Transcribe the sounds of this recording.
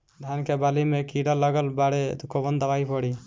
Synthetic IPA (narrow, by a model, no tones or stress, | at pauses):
ɖʱankebalimekiɖɔlɔɡɔlbaɽɛd̪ukʰɔbɔnd̪abajpɔɽi